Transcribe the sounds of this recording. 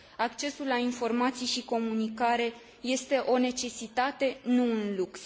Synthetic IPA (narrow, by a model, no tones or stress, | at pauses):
akt͡ʃe̞sulːainfo̞rmat̪sijʃiko̞munikaɾe̞ | je̞st̪e̞ʔo̞ne̞t͡ʃe̞sit̪at̪e̞nuunluks